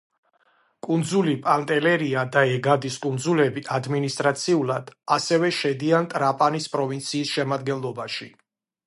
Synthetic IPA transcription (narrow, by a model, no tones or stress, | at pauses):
kʼund̪zulipʼant̪ʼɛlɛɾiad̪aɛɡad̪iskʼund̪zulɛbiʔad̪minist̪ʼɾat̪sʰiulˠad̪̥asɛvɛʃɛd̪iant̪ʼɾapʼanispʼɾɔvint̪sʰiːsʃɛmad̪̚ɡɛnlˠɔbaʃi